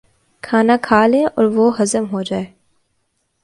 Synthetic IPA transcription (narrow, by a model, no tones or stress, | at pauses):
kʰaːnakʰaːlẽʔɔ̰ːɾʋoɦɐzəmɦod͡ʒaːeː